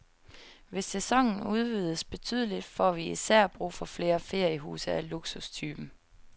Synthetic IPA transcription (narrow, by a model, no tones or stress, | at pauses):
ʋe̝sːesɒ̽ŋ̰n̩uð̞ˠʋiːðˠəsb̥e̝t͡sʰy̰ːðˠlid̥fɒʋiisæɐ̰b̥ʁṵːfɒ̽fle̝ːɐfe̝ɐ̰jəɦṵːsɐæluɡ̥sust͡sʰyːb̥m̩